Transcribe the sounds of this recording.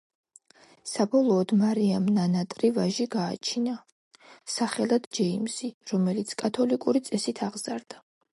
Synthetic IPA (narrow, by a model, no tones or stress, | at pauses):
sabɔlˠɔːd̪maɾiamnanat̪ʼɾivaʒiɡaːt͡ʃʰina | saχɛlˠad̪d͡ʒɛimsiɾɔmɛlit̪sʰkʼat̪ʰɔlikʼuɾit̪sʼɛsit̪ʰaʁzaɾd̪a